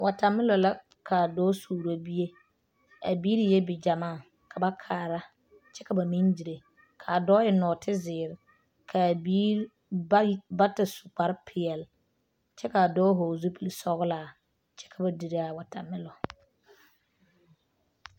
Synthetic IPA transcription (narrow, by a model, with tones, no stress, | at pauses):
wʔa˨ta˨mɪ˦lɔ˨la˦ | kʰa˨dɔː˦suː˨ɾo˦bi˦je˦ | a˨biː˦ɾi˨˦jɛ˦bɪ˨d͡ʒa˨maː˦˨ | kʰa˨ba˦kʰaː˨ɾa˦ | t͡ʃɛ˦ka˨ba˨mi˦nd͡ʒi˨ɾe˨ | kʰa˨dɔː˦jɛ˨nɔː˨tɪ˦zɪː˨ɾɪ˨ | kʰa˨bi˦ | ba˦ta˨su̥˨k͡pa˨ɾɪ˦pʰɪ˨ɛ˨l | t͡ʃɛ˦ka˨dɔː˦ɦoː˨zu˦pi˦li˨sɔ˦ɣʊ˦laː˨ | t͡ʃɛ̥˦kʰa˨ba˨di˨ɾe˦a˨wa˨ta˨mɪ˦lɔ˨